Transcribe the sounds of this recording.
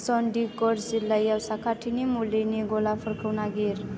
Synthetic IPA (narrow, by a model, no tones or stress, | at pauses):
sɔɳɖikɔɾd͡zilːajawsakaʈʰinimuleneɡolapʰəɾkʰəwnaɡeɾ